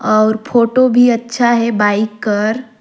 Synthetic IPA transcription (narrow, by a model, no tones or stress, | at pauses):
ɔːɾpʰoːʈobʱiɐtːʃʰaɦɛbaːɪkːɐɾ